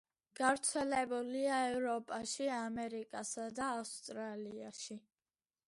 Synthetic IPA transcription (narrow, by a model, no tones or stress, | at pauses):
ɡ̥aɾt̪sʰɛlɛbuliaɛvɾɔpʼaʃiamɛɾikʼasad̪aːfst̪ʼɾaliaʃi